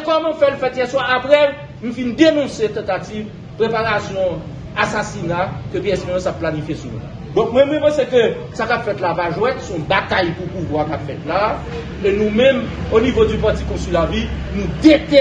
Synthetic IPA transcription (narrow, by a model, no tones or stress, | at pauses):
ekɔmɔ̃fɛlfɛt̪jɛswaʔapɣɛl | nũfind̪enɔ̃set̪ɑ̃t̪ativ | pʁepaʁasjɔ̃ | asasinakøpeɛsmɛ̃ɔ̃sapːlanifjesumṵ̃la̰ | d̪ɔ̃k̚mwɛ̃mwɛ̃pɑ̃sekøsakapfɛt̪lapaʒwɛ̃nsɔ̃bat̪ajpupuvwakapfɛt̪la | enũmɛ̃monivod͡zypatikɔ̃sylavinũd̪et̪e